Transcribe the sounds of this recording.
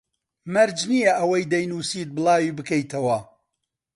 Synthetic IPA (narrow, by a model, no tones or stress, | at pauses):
mɐɾd͡ʒnijɐʔɐwɐjd̪ɐjnuːsiːt̪̚bɨlˠɑːwiːbɨkɐjt̪ʰɐwɐ